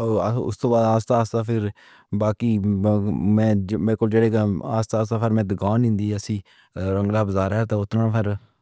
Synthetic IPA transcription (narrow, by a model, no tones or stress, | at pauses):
oʊ̰st̪õːbaːd̪aːst̪aːst̪aːpʰɪɾ | baːkiː | mɛ̃ːbɪlkʊld͡ʒeːɽeːkːaːst̪aːst̪aːpʰəɾmɛ̃ːd̪ɪɡaːnɪ̃ːnd̪iːəsĩː | ɾəŋɡlaːbəzaːɾɦɛt̪aːʊt̪nãːpʰɪɾ